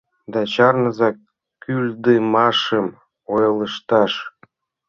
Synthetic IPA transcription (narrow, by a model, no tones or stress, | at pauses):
d̪ɑt͡ɕɑrnɤ̆zɑk | kːylʲd̪emɑʃə̆m | ojɤləʃt̪ɑʃ